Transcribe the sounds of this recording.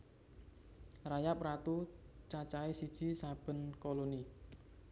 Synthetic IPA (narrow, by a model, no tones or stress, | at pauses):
rajap̚rat̪ut͡ʃat͡ʃaesid̥ʒ̥i̤sab̥ə̤nkoloni